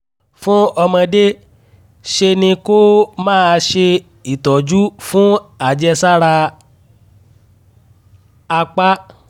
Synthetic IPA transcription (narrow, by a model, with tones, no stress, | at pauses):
fũ˦ɔ˧mɔ̃˧de˦ | ʃe˧nĩ˧ko˦mãː˦˨˧ʃe˧ | i˨tɔ˨d͡ʒu˦fũ˦a˦˨d͡ʒɛ˧sa˦ɾa˧ | a˧k͡pa˦